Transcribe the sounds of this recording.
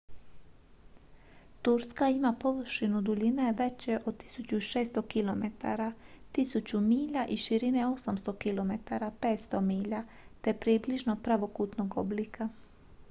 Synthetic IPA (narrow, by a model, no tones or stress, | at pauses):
t̪uɾskaimapo̞ʋrʃinud̪uʎineʋe̞t͡ɕeʔo̞d̪̚t̪i̥sut͡ɕuiʃeːst̪o̞kilo̞met̪ʰa̰ɾa | t̪isut͡ɕumiːʎaʔiʃiɾineo̞samst̪o̞kilo̞me̞t̪aɾapeːt̪st̪omiːʎa | t̪e̞pɾibliʒnopɾaʋo̞kut̪noɡoblika